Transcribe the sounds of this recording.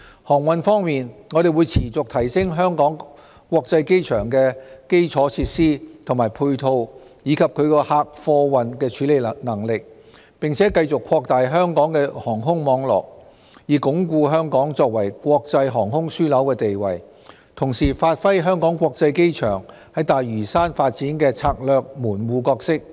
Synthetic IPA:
hɔː˨˩ŋwɐ˨nfɔː˥ŋmiː˨nŋɔː˨˧ɾe˨˩jwuː˨˧jt͡sʰiː˨˩t͡sʊ˨k̚t̪ʰɐ˨˩jsɪ˥ŋɦœː˥ŋkɔː˨˥ŋ | kʷwɔː˧k̚t͡sɐ˧jke˥jt͡ʃʰœː˨˩ŋkɛː˧ke˥jt͡sʰɔː˨˥t͡sʰiː˧t̚siː˥t̪ʰʊ˨˩maː˨˩jpʰuː˧jt̪ʰo˧w | jiː˨˧kʰɐ˨p̚kʰɵ˨˧ɥkɔː˧haː˧k̚fɔː˧wɐ˨nkɛː˧t͡ʃʰyː˨˥le˨jnɐ˨˩ŋlɪ˨k̚ | pɪ˨ŋt͡sʰɛː˨˥kɐ˧jt͡sʊ˨kʰːɔː˧k̚t̪aː˨jɦœː˥ŋkɔː˨˥ŋkɛː˧hɔː˨˩ŋɦʊ˥ŋmɔː˨˧ŋlɔ̰ː˨k̚ | jiː˨˩kʊ˨˥ŋkuː˧ɦœː˥ŋkɔː˨˥ŋt͡sɔː˧k̚wɐ˨˩jkʷwɔː˧k̚t͡sɐ˧jɦɔː˨˩ŋɦʊ˥ŋsyː˥lɐ˨˥wkɛː˧t̪e˨jwɐ˨˩j | t̪ʰʊ˨˩ŋsiː˨˩faː˧t̚fɐ˥jɦœː˥ŋkɔː˨˥ŋkʷɔː˧k̚t͡sɐ˧jke˥jt͡ʃʰœ̰ː˨˩ŋ | hɐ˨˥jt̪aː˨jɥyː˨˩saː˥nfaː˧t̚t͡siː˨˥nkɛː˧t͡sʰaː˧k̚lœː˨˧k̚muː˨˩nwuː˨˧kɔː˧k̚sɪ˥k̚

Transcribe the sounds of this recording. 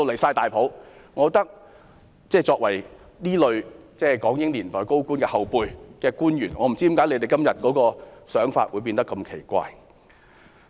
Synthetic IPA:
o˧wle˨˩saː˧jt̪aː˨˩jpʰo˨˥wŋɔː˨˧t̪ɐ˥k̚ | t͡sɛː˥˩t͡sɔː˧k̚wɐ˨˩j | niː˥lɵ˨˧ɥt͡sɛː˥˩kɔː˨˥ŋjɪ˥ŋliː˨˩nt̪ɔː˨˩jko˥wkuː˥nkɛː˧hɐ˨wpuː˧jkɛː˧kuː˥njyː˨˩nŋɔː˨˧m̩˨˩t͡siː˥i˨˥mkaː˨˥jle˨˧jt̪e˨jkɐ˥mjɐ˨t̚kɔː˨˥kɔː˧sœː˨˥ŋfaː˧t̚wuː˨˧jpi˧nt̪ɐ˥kːɐ˧mkʰe˨˩jkʷa̰ː˧j

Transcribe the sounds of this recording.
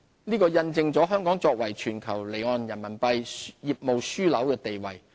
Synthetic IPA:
niː˥kɔː˧jɐ˧nt͡sɪ˧ŋt͡sɔː˨˥ɦœː˥ŋkɔː˨˥ŋt͡sɔː˧k̚wɐ˨˩jt͡ʃʰyː˨˩nkʰɐ˨˩wle˨˩jŋɔː˨˧njɐ˨˩nmɐ˨˩npɐ˧jjiː˨p̚mo˨wsyː˥lɐ˨˥wkɛː˧t̪e˨jwɐ̰˨˩j

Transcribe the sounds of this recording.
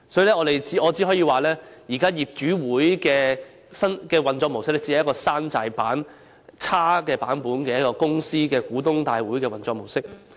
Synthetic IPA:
sɔː˨˦˥ji˨˧lɛː˥ŋɔː˨˧t̪e˨jt͡si˨˥ʔɔː˨˧t͡si˨˥ɦɔː˨˥jiː˧waː˨˩lɛː˥jiː˨˩kaː˥jiː˨p̚t͡ʃyː˨˥wuː˨˥jkɛː˧ | sɐ˥nkɛː˧wɐ˨nt͡sɔː˧k̚mo˨˩wsɪ˥k̚lɛː˥t͡si˧˥˨jɐ˥kɔː˧saː˥nt͡saː˨˧jpaː˨˥n | t͡sʰaː˥kɛː˧paː˨˥npuː˨˥nkɛː˧jɐ˥kɔː˧kʊ˥ŋsiː˥kɛː˧kuː˨˥t̪ʊ˥ŋt̪aː˧jwuː˨˥jkɛː˧wɐ˨˩nt͡sɔː˧k̚mo˨˩wsɪ˥k̚

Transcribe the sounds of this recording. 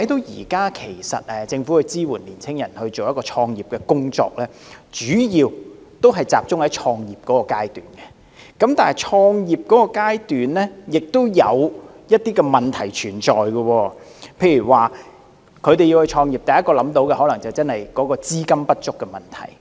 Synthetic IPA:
tʰɐ˨˥jt̪o˧wjiː˨˩kaː˥kʰe˨˩jsɐ̰˨t̚ɛ˨t͡sɪ˧ŋfu˨˦˥hɵ˧t͡siː˥wuː˨˩nliː˨˩nt͡sʰɪ˥ŋjɐ˨˩nhɵ˧ɥt͡so˨wjɐ˥t̚kɔː˧t͡ʃʰɔː˧ŋjiː˨˩p̚kɛ˧kʊ˥ŋt͡ʃɔ̰ː˧k̚lɛː˥t͡ʃyː˨˥jiː˧w | t̪o˥wɦɐ˨jt͡saː˨p̚t͡sʊ˥ŋhɐ˨˥jt͡ʃʰɔː˧ŋjiː˨p̚kɔː˨˥kɔː˧kaː˥jt̪y̰ː˨˩nkɛ˧ | kɐ˨˥mt̪aː˨nhɐ˨jt͡ʃʰɔː˧ŋjiː˨p̚kɔː˨˥kɔː˧kaː˥jt̪yː˨nlɛ˥jɪ˨k̚t̪o˥wjɐ̰˨˧w | jɐ˥t̚t̪iː˥kɛ˧mɐ˨˩nt̪ʰɐ˨˩jt͡ʃʰyː˨˩nt͡ʃɔː˨jɡɐ˧wɔː˧ | pʰe˧jy˨˩waː˨ | kʰɵ˨˧ɥt̪e˨ji˧whɵ˧t͡ʃʰɔː˧ŋjiː˨˩p̚t̪ɐ˨jːɐ˥tkɔː˧lɐ˨˥mt̪o˨˥wkɛ˧hɔː˨˥lɐ˨˩ŋt͡sɐ˨wt͡sɐ˥nhɐ˨jkɔː˨˥kɔː˧t͡siː˥kɐ˥mpɐ˥t̚t͡ʃʊ˥kːɛ˧mɐ˨˩nt̪ʰɐ̰˨˩j

